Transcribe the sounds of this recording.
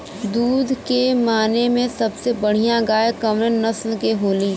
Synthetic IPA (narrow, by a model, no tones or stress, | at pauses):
d̪uːd̪ʱkemaːnemẽsɐbsebɐɽ̤ijãɡaːjkɐmɾənɐslkeɦoːliː